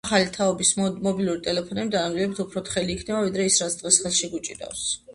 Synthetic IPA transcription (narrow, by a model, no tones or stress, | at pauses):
χalit̪ʰaɔbismɔbilˠuɾit̪ʼɛlɛpʰɔnɛbid̪anand̪ilɛbit̪ʰupʰɾɔt̪χɛliːkʰnɛbavid̪ɾɛisɾat̪sʰd̪̥ʁɛsχɛlˠʃiɡut͡ʃʼḭd̪a̰fs